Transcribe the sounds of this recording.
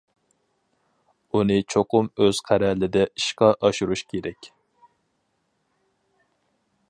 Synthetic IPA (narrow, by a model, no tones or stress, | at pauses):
unɨt͡ʃʰoqʊmøz̥qʰæɾɛlɪd̪ɛiʃqɑʔɑʃuɾuʃkʲʰeɾɛkʲ